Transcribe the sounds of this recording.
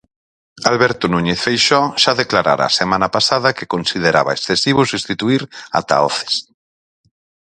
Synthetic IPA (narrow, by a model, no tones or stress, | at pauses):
alβɛɾt̪onũɲeθfejʃɔʃaðeklaɾa̰ɾa̰ːsemãnapasað̞ɐkekonsið̞eɾaβa̰esθesiβosust̪it̪uiɾa̰t̪a̰ɔθe̥s